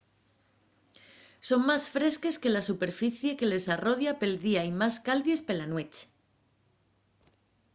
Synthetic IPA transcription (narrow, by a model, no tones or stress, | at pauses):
so̞ŋmasfɾe̞ske̞ske̞lasupe̞ɾfiθje̞ke̞le̞saro̞ðjape̞ld̪iaimaskalðje̞spe̞lanwe̞t͡ʃ